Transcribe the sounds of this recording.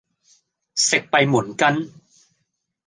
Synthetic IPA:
se˨˩k̚pa˧jmu˩˦nka˧n

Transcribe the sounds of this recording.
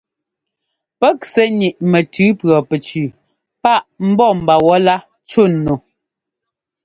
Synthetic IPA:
pɛ˦ksɛ˦ɲi˨ʔmɛ˨tʰʉː˨˦pɰɔ˨pɛ˨t͡ʃʉː˨ | pa˦ʔm̩˦bɔ˦˨m˨ba˨wɔ˦la˦ | t͡ʃo˦˨nːo˨

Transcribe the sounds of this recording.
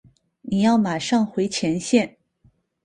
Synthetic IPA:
ni˨˩jɑ˥˩ʊma˨˩ʂɑ˥˧ŋxwe˧˥ɪt͡ɕʰjɛ˧˥nɕjɛ˥˩n

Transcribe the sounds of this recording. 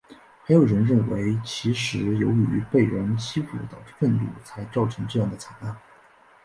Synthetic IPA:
xa˧˥ɪjo˨˩ʊɻə˧˥nɻə˥˩nwe˧˥ɪt͡ɕʰi˧˥ʂɻ̩˧˥jo˧˥ʊy̰˧˥pe˥˩ɪɻə˧˥nt͡ɕʰi˥fṵ˨˥˩d̪ə̰˧˩fə˥˧nt̪ṵ˥˩t͡sʰa˧˥ɪʈ͡ʂɑ˥˩ʊʈ͡ʂʰɤ˧˥ŋʈ͡ʂɤ˥˧jɑ˥˩ŋd̪ə˩t͡sʰa˨˩˦na˥˩n

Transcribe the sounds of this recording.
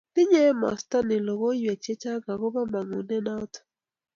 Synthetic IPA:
dɪ˦ɲɛ˦mɔ̰˨sta˦nɪ˨lo˨ɣo˦jwe˨t͡ʃe˦t͡ʃa˦ɡa˨ɡo˦ba˦ma˨ŋu˨nɛ˦na˦t

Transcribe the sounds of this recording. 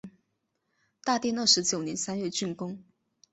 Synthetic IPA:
t̪a˥˧t̪jɛ˥˧nɤ˥˩ʂɻ̩˧˥t͡ɕjo˨˩ʊnjɛ˧˥nsa˥nɥɛ˥˧t͡ɕy˥˩nkʊ˥ŋ

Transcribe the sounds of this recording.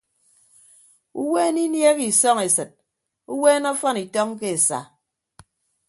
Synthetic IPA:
u˦we˦ni˦nje˦ɣi˨sɔ˦ŋe˨sɨ˨t̚ | u˦weː˦nɔ˦fɔ˦ni˨tɔ˦ŋ˦ke˦e˨sa̰˨

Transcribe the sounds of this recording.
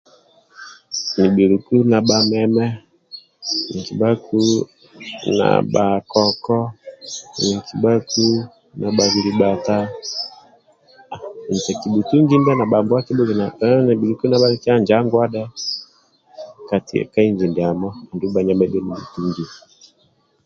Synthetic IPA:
ni˨bi˨ɾu˨ku˦na˨ɓa˨mɛ˦mɛ˦ | ni˨ki˨ba˦ku˦ | na̰˨ɓa˨kɔ˨kɔ˦ | ni˨kʰi˨ɓa˦ku˦ | na˨ɓa˨ɡi˨ɾi˨ɓa˨ta˦˨ | ni˨tɛ˨ki˨ɓu˨tu˦ŋɡi˦nda˦na˨ɓa˨mbu˦a˦ki˦bu˦ɡi˨na˨ni˨bi˨ɾu˨ku˦na˨ɓa˦li˦ki˦a˦nd͡ʒa˦ŋɡwa˦ɗɛ˦ | ka˨tḭ˦ɛ̰˨ka˦i˦ɲd͡ʒi˨ndi˨a˨mɔ˦˨ndu˦ba˨ɲa˨mɛ˦bɛ˦ni˨bu˨tu˦ŋɡi˨

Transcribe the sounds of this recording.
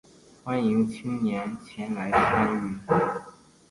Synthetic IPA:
xwa˥ni˧˥ŋt͡ɕʰi˥ŋnjɛ˧˥nt͡ɕʰjɛ˧˥nla˧˥ɪsʰa˥ny˥˩

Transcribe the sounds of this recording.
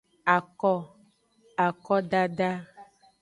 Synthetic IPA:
a˨kɔ˦ | a˨kɔ˦ɖa˦ɖa˦

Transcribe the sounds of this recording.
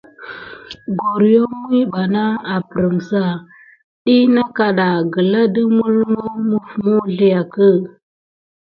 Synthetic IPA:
ɡo˨ɾjo˦mwi˦ɓa˨na˦a˨pə˨ɾə˨ŋsa˦˨ | ɗi˦na˦ka˨ɗa˨ɡə˨la˦də˦mu˦lmo˦mu˦fmu˦ɮi˨ja˨kə˦˨

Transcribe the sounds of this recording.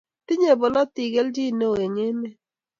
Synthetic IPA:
ti˦ɲe˦˨bo˨lɔ˦ti˨ɡe˦ld͡ʒi˦˨no˦˨e˨ŋe˦ne˦

